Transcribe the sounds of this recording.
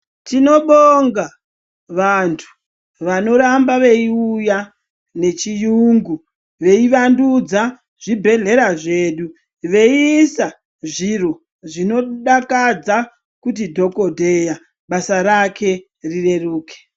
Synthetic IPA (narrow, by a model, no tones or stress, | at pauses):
tino̞ɓoŋɡa | ʋantʰu̥ | ʋano̞ɾambaʋe̞iuja | ne̞t͡ʃijuːŋɡu | ʋe̞iʋandud͡za | ʐ̥ibʱe̞ɮe̞ɾaʐe̞ːɗu | ʋe̞isa | ʐiro | ʐino̞ɗakad͡za | kut̬idʱo̞ko̞dʱe̞ja | ɓasaɾakʰe̞ | rire̞ruːke̥